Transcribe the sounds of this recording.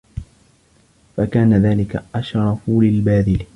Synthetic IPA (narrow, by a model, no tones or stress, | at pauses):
fakaːnaðaːlɪka̰ʔaʃɾˤɑfulɪlbaːðɪl